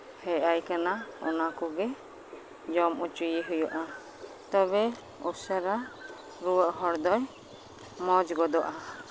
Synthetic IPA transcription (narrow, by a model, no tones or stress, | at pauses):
hɛajkanaɔ̰nakuɡɛ | d͡ʒɔmut͡ʃujiɦujɔʔa | t̪ɔbɛ | usaɾa | ɾuwəʔɦɔɽd̪ɔj | mɔd͡ʒɡɔd̪ɔʔa